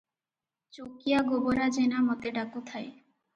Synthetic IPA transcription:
t͡ɕokijaɡoboɾad͡ʑenamɔt̪eɖakot̪ʰae

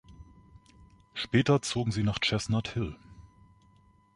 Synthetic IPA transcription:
ʃpɛːtɐt͡soːɡŋ̩ziːnaːχt͡ʃɛsnathɪl

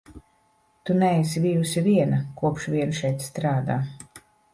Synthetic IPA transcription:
t̪unɛɛsibijusiviɛnakuɔpʃviɛnʃɛjt̪st̪ɾaːd̪a̰ː

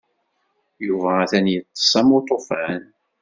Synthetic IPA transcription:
juvææθænjət̪ˤːə̥sˤæmot̪ˤofæn

